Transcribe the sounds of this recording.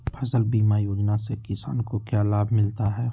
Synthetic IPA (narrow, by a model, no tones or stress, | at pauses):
pʰɐzəlbiːmajoːd͡ʒnasekɪsa̰ːnkokjaːlaːbʱmɪlt̪aɦɛː